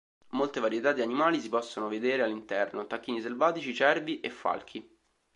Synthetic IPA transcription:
molt̪evaɾjet̪ad̪ːianimaːlisipɔsːonoved̪eːɾealːint̪ɛrnot̪akːiːnis̬elvaːt̪it͡ʃit͡ʃɛrbiʔefːa̰lkʰi

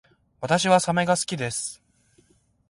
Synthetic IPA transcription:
βat̪aɕiβasame̞ɡasɨ̥kʲid̪e̞sɨ̥

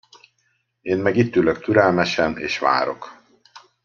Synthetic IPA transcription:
eːnmɛɡit̪ːyːløk̚t̪yɾɛlmɛʃɛnḛːʃʋa̰ːɾo̞̰k

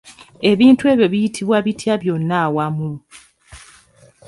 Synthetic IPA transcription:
e̞βiːntue̞ːβjo̞βijitʰiβwaβitʰjaβjo̞nːaːwamu

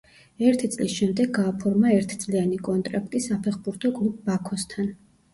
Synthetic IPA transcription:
ɛɾt̪ʰit̪sʼlisʃɛmd̪ɛɡ̚aːpʰɔɾmaɛɾt̪ʰt̪sʼlianikʼɔnt̪ʼɾapʼt̪ʼisapʰɛχbuɾt̪ʰɔkʼlˠub̚ːakʰɔst̪ʰan

